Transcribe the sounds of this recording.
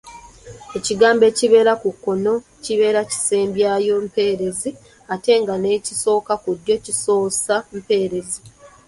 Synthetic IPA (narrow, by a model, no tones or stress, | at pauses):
e̞ciɡaːmbe̞ːciβe̞ːɾakukːo̞no̞ | ciβe̞ːɾaci̥se̞ːmbjaːjo̞mpe̞ːɾe̞zi | ate̞ŋɡane̞ciso̞ːkakudjo̞ciso̞ːsampe̞ːɾe̞zi